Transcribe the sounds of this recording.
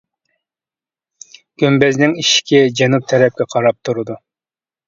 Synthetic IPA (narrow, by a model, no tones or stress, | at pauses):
ɡ̥ʲømbɛznɪŋiʃkʲʰɪd͡ʒɛnup̚t̪ʰɛɾɛp̚kʲɛqʰɑɾɑp̚t̪ʰuɾɨd̪u